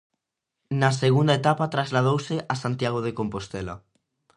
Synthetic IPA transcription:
nɐseɣund̪aet̪apat̪ɾazlað̞owsɪʔasant̪jaɣoðekompost̪ɛlɐ̰

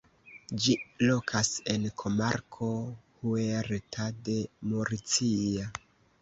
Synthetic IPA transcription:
d͡ʒilokʰasenkʰo̞maɾkʰo̞hueɾtʰade̞moɾit͡sia

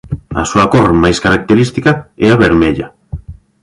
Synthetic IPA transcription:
ɐ̰suakormajskaɾak̚t̪eɾist̪ikɐɛaβeɾmeʎa

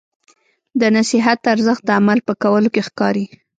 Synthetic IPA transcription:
d̪ənasiɦat̪̚d̪əaɾzəxt̪̚d̪əamalpəkawəlokexkɑɾi

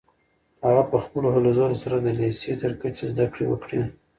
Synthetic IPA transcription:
haɣapəxpəloɦalozɑnosaɾad̪əleset̪əɾkat͡ʃezd̪akɽewə̰kɽi

